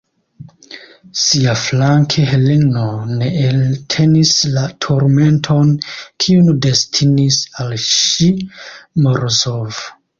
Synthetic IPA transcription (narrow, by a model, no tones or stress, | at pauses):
siaflaŋkʰeɦeleno̞ne̞ʔːltʰe̞nislatʰoɾme̞ntʰo̞nkʰiunde̞stʰinisalʃimoɾosov